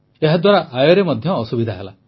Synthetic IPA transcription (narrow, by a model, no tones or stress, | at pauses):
eɦad̪waɾaʔajɔɾemɔd̪ʱjɔːsubid̪ʱaɦela̰